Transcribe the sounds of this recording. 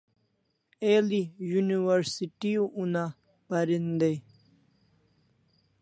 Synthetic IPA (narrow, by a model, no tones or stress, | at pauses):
eːlijuniwɐɾsiʈiuʔuna | pɐɾind̪ej